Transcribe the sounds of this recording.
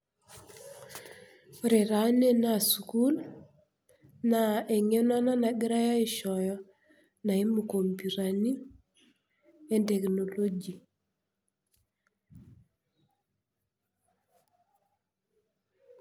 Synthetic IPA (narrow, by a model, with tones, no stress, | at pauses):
ɾe˨ɾa˨˦ne˦na˨su˨ku˦l | na˨e˨ŋe˦na˦na˦na˨ɡɪ˦ɾa˦ja˦ɪ˨ʃɔ˨jɔ˦ | na˨i˦mu˨ko˨mpu˨ɾa˨ni˦ | e˦ndɛ˨kno˨lo˦ɡi˨